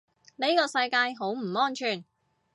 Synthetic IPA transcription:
ne˥jkɔː˧sɐ˧jkaː˧jɦo˨˥wm̩˨˩ɔː˥nt͡ʃʰyː˨˩n

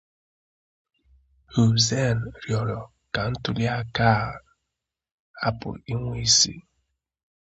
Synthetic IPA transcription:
u˨ze˦˨n˨ɾjɔ˨ɾɔ˨ | ka˨n̩˦tʊ˨li˦a˦ka˦˨ | a˦pʊ̰˨li˦ŋʷe˦i˦sḭ˦

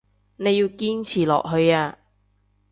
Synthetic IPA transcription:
ne˨˧jiː˧wkiː˥nt͡sʰiː˨˩lɔ̰ː˨k̚ɦɵ˧ɥaː˧

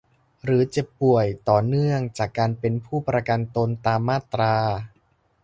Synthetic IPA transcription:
ɾɯː˩˦t͡ɕe˨˩pːu˨˩əjt̪ɔː˨˩nɯ˥˩əŋt͡ɕaː˨˩kːaː˧npe˧npʰuː˥˩pɾa˧ka˧nt̪o˧nt̪aː˧mːaː˥˩t̪ɾaː˧

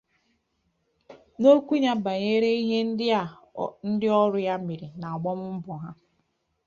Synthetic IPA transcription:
no˦kʷu˦ɲa˦ba˨ɲe˦ɾe˦i˦ɦe˦n̩˦˨ | n̩˦dɪ˦ɔ˦ɾʊ˦ja˦mi˨ɾi˨na˨a˨ɡ͡bɔ˦mʊ˦m̩˦bʊ˨ɦa̰˦

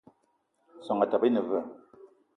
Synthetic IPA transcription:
sɔ˨ŋa˨ta˨pə˦nə˨və˦˨

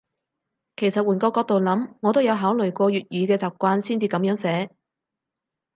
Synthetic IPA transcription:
kʰe˨˩jsɐ˨t̚wuː˨˩nkɔː˧kɔː˧k̚t̪o˨wlɐ˨˥mŋɔː˨˧t̪o˥wjɐ˨˧wɦaː˨˥wlɵ˨˩ɥkʷɔː˧ɥyː˨t̚jyː˨˧kɛː˧t͡saː˨p̚kʷaː˧nsiː˥nt͡siː˧kɐ˨˥mjœː˨˥ŋsɛː˨˥

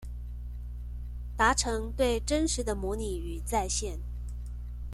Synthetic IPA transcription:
t̪a˧˥ʈ͡ʂʰɤ˧˥ŋt̪we˥˩ɪʈ͡ʂə˥nʂɻ̩˧˥d̪ə˧mwɔ˧˥ni˨˩y˨˩t͡sa˥˧ɪɕjɛ˥˩n

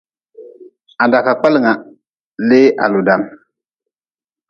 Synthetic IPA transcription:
a˨da˨ka˨k͡pa˦lŋa˨ | le˦ʔa̰˨lu˨da˨m

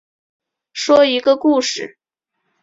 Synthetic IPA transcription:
ʂwɔ˥i˧˥ɡə˧ku˥˩ʂɻ̩˨˩

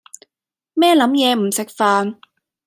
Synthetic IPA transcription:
mɛː˥lɐ˨˥mjɛː˨˧m̩˨˩sɪ˨k̚faː˨˧n

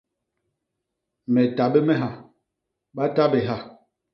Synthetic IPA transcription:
mɛ˨ta˨ɓɛ˦mɛ˦ɦa˨ | ɓa˦ta˦be˨ɦa˦˨

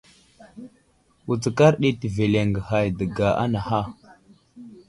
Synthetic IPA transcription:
wu˨t͡sə˨ka˦ɾɗe˦ti˨ve˨le˨ŋɡə˨ha˨jdə˨ɡa˨ʔa̰˦na˨ha˦

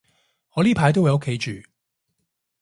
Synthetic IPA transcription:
hɔː˨˧liː˥pʰaː˨˧˥jt̪o˥wjɐ˨˧ʊ˥kʰe˨˧jt͡ʃyː˨

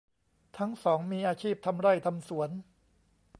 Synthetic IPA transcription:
t̪ʰa˦˥ŋsɔː˩˦ŋmiː˧ʔaː˧t͡ɕʰiː˥˩p̚t̪ʰa˧mɾa˥˩jt̪ʰa˧msu˩˦ən

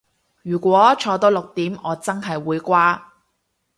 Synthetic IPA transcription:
jyː˨˩kʷɔː˨˥t͡ʃʰɔː˧t̪ɔː˥lʊ˨k̚t̪iː˨˥mɔː˨˧t͡sɐ˥ŋɦɐ˨jwuː˨˧jkʷaː˥

